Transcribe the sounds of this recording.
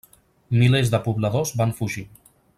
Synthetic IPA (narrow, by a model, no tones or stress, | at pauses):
milezðəpuβləðozβanfuʒi